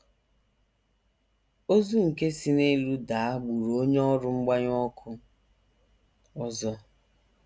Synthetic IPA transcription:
o˦zu˦ŋ̩˨ke˦si˦ne˦lu˦da˨˦a˦ɡ͡bu˨ɾoo˦ɲ˦ɔ˦ɾʊ˦ŋ͡m̩˦ɡ͡ba˦ɲ˦ɔ˦kʰʊ˦ | ɔ˦zɔ˦

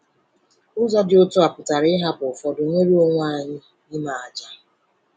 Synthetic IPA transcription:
ʊ˦zɔ˦dɪ˨o˦tʊ˦a˨pʊ˨ta˨ɾɪ˦ɦa˦bʊ˨fɔ˨dʊ˨ŋʷe˦ɾi˦o˦ŋʷa˦˨ɲɪ˦ | ɲɪ˦ma˨a˨d͡ʒa˦

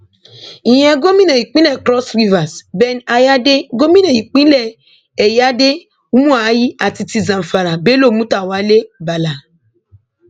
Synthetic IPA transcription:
ĩ˨j̃ɛ̃˧ɡo˦mĩ˦nã˨ji˨k͡pĩ˦lɛ˦˨kɾɔ˦sɾi˦va˨sbɛ˧na˧ja˦de˦ɡo˦mĩ˦nã˨ji˨k͡pĩ˦lɛ˦˨ | ɛ˨ja˦de˦ | u˦mũ˦a˨˦ji˦a˨ti˧ti˧zã˨m̩˨fa˨ɾa˨be˦lo˦˨mũ˦ta˦˨wa˨˦le˦ba˨la˨

